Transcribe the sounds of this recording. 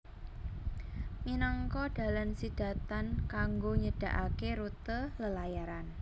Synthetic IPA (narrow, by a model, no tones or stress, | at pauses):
minaŋkɔd̥a̤lansid̥a̤t̪ankaŋɡoɲəd̥a̤ʔakeɾut̪ələlajaɾan